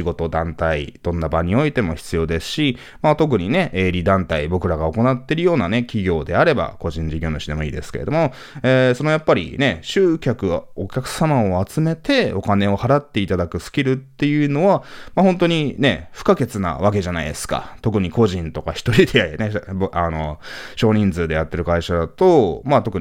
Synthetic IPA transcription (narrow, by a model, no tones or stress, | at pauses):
ɕiɡo̞t̪o̞d̪ãnt̪aḭd̪̥õ̞nːabaɲ̟io̞it̪e̞mo̞çi̥t͡sɨjo̞ːd̪e̞sɨ̥ɕi | mat̪o̞k̬ɯ̟ɲ̟ine̞eːɾʲid̪ãnt̪aibo̞kɯ̟ɾaɡao̞ko̞nat̪ːe̞ɾɯ̟jo̞ːnane̞kʲiɡʲo̞ːd̪e̞aɾe̞ba̰ko̞ʑĩɲ̟d͡ʑiɡʲo̞ːnoɕid̪e̞mo̞ḭːd̪e̞̰sɨ̥ke̞ɾe̞d̪o̞mo̞ | eːso̞no̞japːaɾʲḭne̞ɕɨːkʲakɯ̟o̞kʲakɯ̟̥samaoat͡sɨme̞t̪e̞o̞kane̞o̞haɾat̪ːe̞it̪ad̪akɯ̟sɨ̥kʲiɾɯ̟t̪ːe̞jɯ̟ːno̞βamahõ̞nt̪o̞ɲ̟ine̞ɸɯ̟̥kake̞t͡sɨna̰βak̬e̞ʑanaid̪e̞sɨ̥ka̰t̪o̞kɯ̟ɲ̟iko̞ʑĩnt̪o̞kaçi̥t̪o̞ɾʲid̪enebano̞ɕo̞ːɲ̟ĩnd͡zɨːd̪e̞jat̪ːe̞ɾɯ̟kaiɕad̪at̪o̞mat̪o̞kɯ̟ɲ